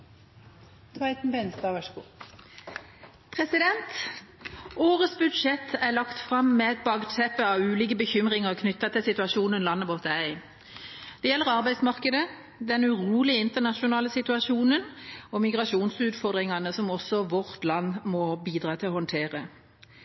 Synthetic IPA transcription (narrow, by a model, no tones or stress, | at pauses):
t̪ʰʋɑɪt̪n̩bɛnst̪ɑːʋɑʂɡuː | pʰʁɛsɪd̪ɛnt̪ | oːʁəsbʉd̪ʂɛt̪ʰːæʁlɑkt̪fʁɑmːɛɛt̪̚bɑɡt̪ʰɛpːəɑʋʉːliːkəbəçʏmʁɪŋəʁkʰnʏt̪ːɑt̪ʰɪlsɪt̪ʉɑʃuːnənlɑnːəʋɔt̪æɪ | d̪̥ɛjɛlːəʁɑʁbæɪd̪smɑʁkəd̪ə | d̪ɛnʉʁuːlɪəɪnt̪əʁnɑʃʊnɑːləsɪt̪ʉɑʃuːnənɔmɪɡʁɑʃuːnsʉːt̪fɔʁd̪ʁɪŋɑnəsɔmɔsːɔʋɔʁt̪lɑnːmɔbiːd̪ʁɑːt̪ʰɪlɔhɔnt̪ʰeːʁə